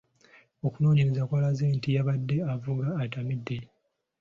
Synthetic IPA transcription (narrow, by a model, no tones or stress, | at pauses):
o̞kuno̞ːɲiɾezakwalazeːntijaβadːe̞avuɡaːtamidːe